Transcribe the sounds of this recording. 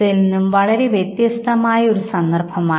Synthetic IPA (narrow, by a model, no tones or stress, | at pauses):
ilninːumʋɐɭɐɾe̞ʋjet̪jɐst̪ʰɐmaːjɐo̞ɾusɐnd̪ɐrbʱɐmaː